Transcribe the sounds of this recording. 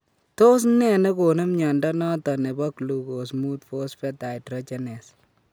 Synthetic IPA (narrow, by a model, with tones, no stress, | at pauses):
to˦s̬nɛ˨ne˦ko˨ne˦mɲa˨ndɔ˦nɔ˦tɔ˨ne˨bɔ˦klu˨ko˨s̬mu˦tfo˦sfɛ˦ta˨jtɾɔ˦t͡ʃɛ˦nɛ˨s